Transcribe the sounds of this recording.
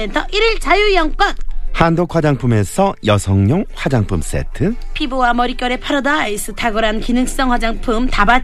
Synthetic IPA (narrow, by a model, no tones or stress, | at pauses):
entʰʌʔiɾiɭt͡ɕajujʌŋk͈wʌnhandok̚ʰɸwad͡ʑaŋpʰume̞sʰʌjʌsʰʌŋɲoŋɸwad͡ʑaŋpʰums͈e̞̰tʰɯpʰibowamʌɾik͈jʌɾe̞pʰaɾʌdais͈ʰɯtʰaɡɯɾankinɯŋs͈ʌŋɸwad͡ʑaŋpʰumtaba